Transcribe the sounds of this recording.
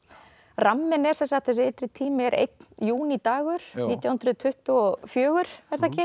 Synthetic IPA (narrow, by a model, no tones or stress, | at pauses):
ramːɪnɛɾsɛnsaht̪θɛsɪejt̪ɾɪt̪ʰiːmɪɛɾʔḛjt̪njuːnit̪aːɣʏɾ̥iːt̪jahʏnd̪ɾʏðt̪ʰʏht̪ʏɔfjœːɣʏɾ̥ɛɾ̥θɛcɪ